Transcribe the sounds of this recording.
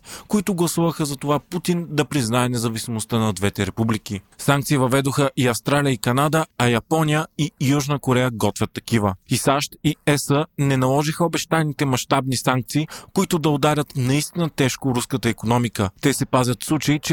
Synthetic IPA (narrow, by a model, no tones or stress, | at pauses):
koit̪ʊɡlˠɐsuvəxəzɐt̪ovaput̪ind̪ɐpɾiznaɛnɛzɐvisʲimost̪ənɐd̪vɛt̪ɛɾɛpublik̟isaŋk̚t̪sivɐvɛd̪oxəʔiɐfst̪ɾalʲiəikɐnad̪əɐjɐpɔnijəijuʒnəkoɾɛjəɡɔt̪vʲət̪ːɐkivəisaʃt̪iɛsənɛnɐlˠɔʒixəobɛʃt̪aɛnit̪ɛmɐʃt̪abnisaŋk̚t̪siːkoit̪ʊd̪ɐod̪aɾʲət̪nɐist̪inət̪ɛʃkoɾuskət̪əikonɔmikət̪ɛsɛpazʲɐt̪slˠut͡ʃɐit͡ʃɛ